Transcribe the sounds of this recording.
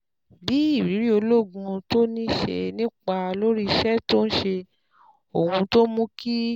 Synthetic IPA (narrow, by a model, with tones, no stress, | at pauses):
bi˨˦i˦˨ɾi˨˦ɾi˦o˧lo˦˨ɡũ˧to˦nĩ˦ʃḛ˧nĩ˦k͡pa˧lo˦ɾi˦˧ʃɛ˦to˦n̩˦ʃe˧ | o˨hũ˧to˦mũ˦ki˦